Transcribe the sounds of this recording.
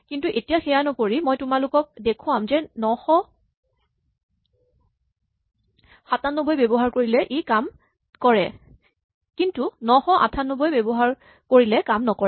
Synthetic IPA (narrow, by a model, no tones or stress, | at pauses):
kintuʔetijaxɛjanɔkoɹimojtʊmalʊkɔk̚dekʰʊ̃amzɛnɔxɔ | xatanɔbojbebɔɦaɹkoɹilɛʔekam | kɔɹɛ | kintunɔxɔʔa̰tʰanɔbojbebɔɦaɹ | koɹilɛkamnɔkɔɛ